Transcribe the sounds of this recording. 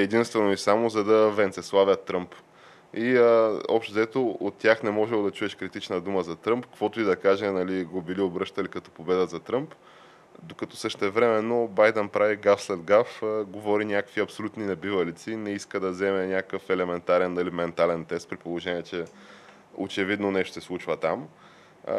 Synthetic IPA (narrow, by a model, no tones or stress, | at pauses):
ɛd̪inst̪vɛnoisamozɐd̪ɐvɛnt̪sɛslˠavʲjət̪ːɾɤmp | iəɔ̰pʃt̪ozɛt̪oot̪ːʲjaxnɛmɔʒɛlˠd̪ɐt͡ʃuɛʃkɾit̪it͡ʃnɐd̪uməzɐt̪ɾɤmpkːkvɔt̪ʊid̪ɐkaʒɛnɐliɡobiliobɾɤʃt̪ɐlikɐt̪ɔ̥pobɛd̪əzɐt̪ɾɤmp | d̪okɐt̪ɔsəʃt̪ɛvɾɛmɛnːobajd̪ɛnpɾaviɡafslɛd̪ɡafəɡovɔɾinʲakəkviɐpsolʲut̪ninɛbivɐlit̪sinɛiskəd̪ɐzɛmɛnʲakəkəfɛlɛmɛnt̪aɾɛnːɐlimɛnt̪alɛnt̪ɛst̪̚pɾipolˠoʒɛnʲiɛt͡ʃɛ | o̰t͡ʃɛvid̪nonɛʃt̪o̥sɛslˠut͡ʃvət̪am